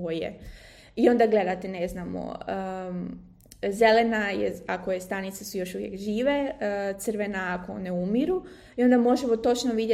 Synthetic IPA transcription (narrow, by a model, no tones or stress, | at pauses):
ojḛ | io̞nd̪aɡle̞d̪at̪ene̞znamo̰ə | ze̞lenajḛakojest̪anit̪sesujo̞ʃuʋjḛkʒiːʋe̞t̪sɨrʋenaːkoo̰neumiɾu | io̞nd̪amo̞ʒemot̪o̞t͡ʃnoʋid̪ʲe